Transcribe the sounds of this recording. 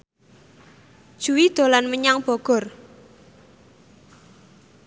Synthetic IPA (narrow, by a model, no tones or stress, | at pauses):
d̥ʒ̥ṳwid̪̥o̤lanməɲaŋb̥ɔɡ̥ɔ̤r